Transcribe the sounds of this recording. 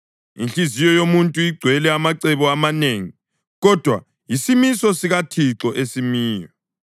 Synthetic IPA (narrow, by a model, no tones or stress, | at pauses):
ḭnɬizijɔjomuntʼuiɡ͡ǀʱwɛlɛamaǀɛβɔamaneːŋi | ɣɔd̥ʱwa̰ | jisimisɔsiɣatʰiǁɔʔesimiːjɔ